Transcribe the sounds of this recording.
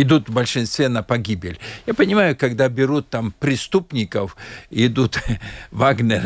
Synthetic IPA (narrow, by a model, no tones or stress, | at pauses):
ɪd̪ut̪vbəlʲʂɨnst̪vʲenəpɐɡʲibʲɪlʲjapənʲɪmajʊkɐɡd̪abʲɪɾut̪ːampɾʲɪst̪upnʲɪkəfɪd̪ut̪vaɡnʲəɾ